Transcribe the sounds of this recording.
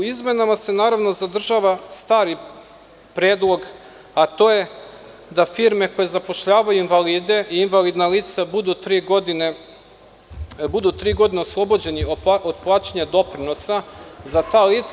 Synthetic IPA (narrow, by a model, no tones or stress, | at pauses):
uizme̞namase̞naːɾaʋno̞zad̪r̩ʒaʋast̪aːɾi | pɾeːd̪lˠo̞ɡ | at̪o̞ːje̞ | d̪afiɾme̞ko̞je̞zapo̞ʃʎaːʋajuinvaliːd̪e̞ʔiːnʋaliːd̪naliːt̪sabud̪ut̪ɾiːɡod̪ine | bud̪ut̪ɾiːɡo̞d̪ineoslˠo̞bo̞d͡ʑe̞niood̪̚plˠaːt͡ɕeɲad̪o̞pɾino̞sazat̪aːliːt̪s